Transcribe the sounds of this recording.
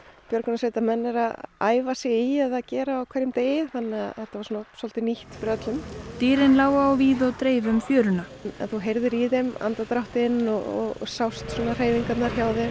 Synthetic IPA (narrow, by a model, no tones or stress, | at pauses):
pjœɾkʏnasvejt̪amɛnːɛɾaða̰ːjvasjɛiɛðaðcɛːɾaːwkʰvɛɾjʏmt̪eːjɪθanːɪaðθɛht̪ːavaɾsuːnasɔl̥t̪ɪniht̪pɾœt̪lʏmt̪iːɾɪnlaːwaːwviːðɔɣt̪ɾeːjvʏmfjœːɾʏna | nɛ̰nθuɦejɾðʏɾiðɛma̰nt̪at̪ɾawht̪ɪnːɔ̰ɔ̰ɣsawst̪sɔːnar̥eːjviŋkat̪naɾ̥çaːwðɪ